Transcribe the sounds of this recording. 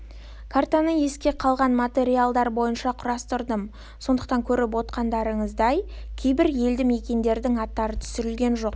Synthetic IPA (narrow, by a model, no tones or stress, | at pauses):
kʰart̪anəje̞skʲe̞qʰɑlˠʁɑnmat̪e̞ɾialˠd̪ɑɾbo̞jənʃɑqʰʊɾɑst̪ʊɾd̪əm | so̞nd̪əq̚t̪ɑŋkʲʰɵɾɪp̬wo̞t̪̚qɑnd̪ɑɾəɴəzd̪ɑjkʲʰe̞jbɪɾje̞ld̪ɪme̞kʲe̞nd̪e̞ɾd̪ɪŋɑt̪ːɑɾət̪ʰʏ̥sʏɾɪlɡʲe̞nʒo̞q̚